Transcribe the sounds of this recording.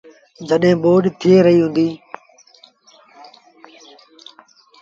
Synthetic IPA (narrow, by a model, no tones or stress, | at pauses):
d͡ʒəɗɦẽːɓoːɗt̪ʰieːɾəɦiːɦũːnd̪iː